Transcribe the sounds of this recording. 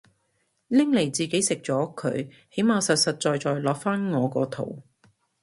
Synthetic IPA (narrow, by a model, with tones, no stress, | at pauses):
lɪ˥ŋle˨˩jt͡siː˨ke˨˥jsɪ˨k̚t͡sɔː˨˥kʰɵ̰˨˧ɥ | he˨˥jmaː˨˧wsɐ˨t̚sɐ˨t̚t͡ʃɔː˨jt͡sɔː˨˧jlɔː˨˥k̚faː˥nŋɔː˨˧kɔː˧t̪ʰo̰˨˩w